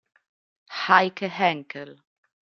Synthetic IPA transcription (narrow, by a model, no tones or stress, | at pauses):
haɪkʰəɦæŋkʰəl